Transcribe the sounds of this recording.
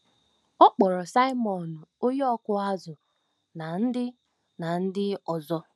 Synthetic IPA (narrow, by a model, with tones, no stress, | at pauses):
ɔ˦k͡pɔ˨ɾɔ˨sa˦ɪ˦mɔ˨n˨o˦jɔ˦kʊ˦a˦zʊ˨ | na˨n̩˦dɪ˦ | na˨n̩˦dɪ˦ɔ˨zɔ˦